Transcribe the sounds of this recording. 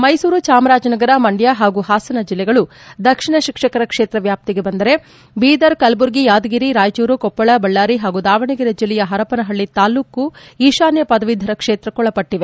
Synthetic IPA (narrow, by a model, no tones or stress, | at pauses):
mɐjsuːɾut͡ʃaːmɾaːd͡ʒɐnɐɡɐɾɐmɐɳɖjaːɦaːɡuɦaːsɐnɐd͡ʒilːɛɡɐɭu | d̪ɐkʂiɳɐʃikʂɐkɐɾɐkʂeːt̪ɾɐʋjaːp̚t̪iɡe̞bɐnd̪ɐɾe̞ | biːd̪ɐɾkɐlbuɾɡijaːd̪ɐɡiɾiɾaːjt͡ʃuːɾukɔpːɐɭɐbɐɭːaːɾiɦaːɡud̪aːʋɐɳiɡiɾɐd͡ʒilːɛjɐɦɐɾɐpɐnɐɦɐɭːit̪aːluːkːuiːʃaːnjɐpɐd̪ɐʋid̪ʱːɐɾɐkʂeːt̪ɾɐkɔɭɐpɐʈːiʋe